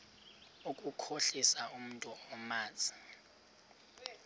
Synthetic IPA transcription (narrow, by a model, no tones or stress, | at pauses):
ukʼukʰoɬisaum̩ntʼuɔmaːt͡sʼi̥